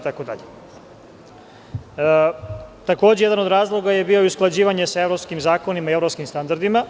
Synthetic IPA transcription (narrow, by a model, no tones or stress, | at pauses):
t̪akod̪a̰ʎe | t̪ako̞ːd͡ʑejed̪anod̪ɾaːzlˠo̞ɡaje̞biːo̞jusklˠad͡ʑiːʋaɲe̞sae̞vɾo̞pskimzaːko̞nimaie̞vɾopskimst̪and̪aɾd̪ima